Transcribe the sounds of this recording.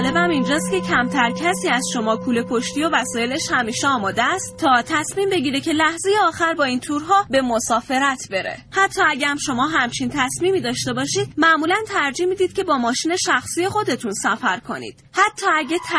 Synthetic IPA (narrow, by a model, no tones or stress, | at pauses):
le̞bæmind͡ʒɒːst̪kcʰe̞cʰæmt̪ʰæɾcʰæsiːæzʃo̞mɒːkʰuːle̞pʰo̞ʃt̪io̞væsɒːje̞leʃhæmiːʃeɒːmɒːd̪eæst̪t̪ʰɒːt̪ʰæsmiːmbe̞ɟiːɾecʰe̞læhze̞je̞ɒːxæɾbɒːint̪ʰuːɾɦɒːbe̞mo̞sɒːfe̞ɾæt̪ʰbe̞ɾḛhæt̪ʰːɒːæɟæmʃo̞mɒːɦæmt͡ʃʰint̪ʰæsmiːmiːd̪ɒːʃt̪e̞bɒːʃiːd̪̚mæʔmuːlænt̪ʰæɾd͡ʒimid̪iːd̪̥̚cʲʰe̞bɒːmɒːʃiːne̞ʃæxsiːje̞xo̞d̪e̞t̪ʰunsæfæɾkʰo̞nḭːd̪̥hæt̪ʰːɒːæɟet̪ʰ